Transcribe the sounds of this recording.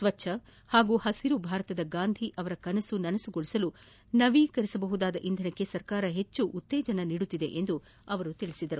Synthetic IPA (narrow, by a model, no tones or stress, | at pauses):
sʋɐt͡ʃːʃʰɐ | haːɡuːhɐsiɾubʱaːɾɐt̪ɐd̪ɐɡaːnd̪ʱiʔɐʋɐɾɐkɐnɐsunɐnɐsuɡoɭisɐlu | nɐʋiːkɐɾisɐbɐɦud̪aːd̪ɐʔind̪ʱɐnɐkːe̞sɐɾkaːɾɐɦe̞t͡ʃːuʔut̪ːeːd͡ʒɐnɐniːɽut̪ːid̪e̞̰ʔend̪u | ɐʋɐɾut̪iɭisid̪ɐɾu